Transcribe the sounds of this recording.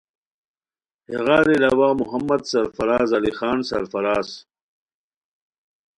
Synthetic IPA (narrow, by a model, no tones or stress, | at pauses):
heɣaːɾilaːwaːmuɦɐmːɐd̪sɐɾfɐɾaːzɐlixaːnsɐ̰ɾfɐɾaːs